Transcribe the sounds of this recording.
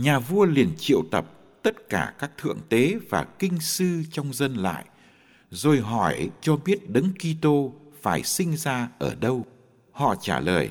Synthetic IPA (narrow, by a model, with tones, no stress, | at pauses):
ɲaː˨˩vu˧əli˨˩ənt͡ɕḭ˧˨əwt̪ə˨˩p̚ | t̪ə˦˥t̚kaː˧˩kaː˦˥k̚t̪ʰɨ̰˧˨əŋt̪e˨˦vaː˨˩kï˧ŋ̟sɨ˧t͡ɕɔ˧wŋ͡mzə˧nla̰ː˧˨jʔ | zo˨˩jɦɔ˧˩jt͡ɕɔ˧ɓi˦˥ət̚ɗɨ˨˦ŋki˧t̪o˧faː˧˩jsï˧ŋ̟zaː˧ʔəː˧˩ɗə˧w | hɔ̰˧˨t͡ɕaː˧˩ləː˨˩j